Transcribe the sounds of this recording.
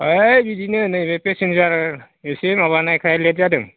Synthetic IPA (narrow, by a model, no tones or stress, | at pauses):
ajbidinɯnɯbepesenzaɾ | esemaβanajkʰalet̚zadɯm